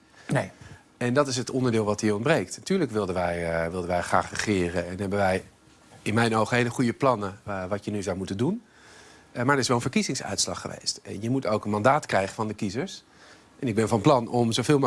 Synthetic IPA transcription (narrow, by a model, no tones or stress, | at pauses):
ɛndɑtɪs̬ətɔndəɹdɪːlˠʋɑtɦiːɔntbrejk̚tnatyːɹləkʋɪlˠdənʋɛjʋɪlˠdənʋɛjχra̰ːχrəχɪːrəɛnɦɛbənʋɛj | ɪnmɛjnowχəɦejləχujəplɑnəʋɑtjənyzawmutəndun | maːɹəɹɪsʋɛlˠə̃nvəɹkizɪŋsœ̰ɥtslɑ̰χːəʋḛjstɛ̰njəmutowkənmɑndaːtkrɛjχəvɑndəkizəɹs | ʔɛnɪɡ̚bɛnvɑnplɑnɔmzowvɪːlˠ